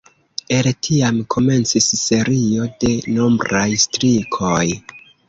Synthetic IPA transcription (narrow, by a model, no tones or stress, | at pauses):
e̞ltʰiamkʰo̞me̞nt͡sisːe̞ɾio̞de̞nombɾajstɾikʰoj